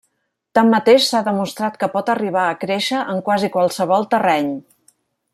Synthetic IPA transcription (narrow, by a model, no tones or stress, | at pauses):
t̪amːət̪eʃsaðəmust̪ɾat̪kəpɔt̪əriβ̞aəkɾeʃəʔəŋkwazikwalˠsəβ̞ɔlˠt̪ərɛɲ